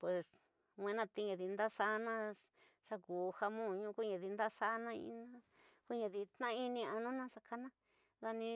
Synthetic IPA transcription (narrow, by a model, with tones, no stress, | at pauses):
pwe˨s | ŋʷwẽ˧˦nã˧t̪i˧ɲã˨ði˧nd̪a˦sa˦nã˦ | ʂa˧kuː˨ha˧mũ˦˨ɲũ˦ku˦ɲã˨ði˧nd̪a˦sa˦nã˦ḭ̃˧nã˦ | ku˦ɲã˧ði˧t̪nã˦˧i˧nĩ˧a˧nũ˦nã˦sa˧ka˦nã˦ | ða˧nĩ˧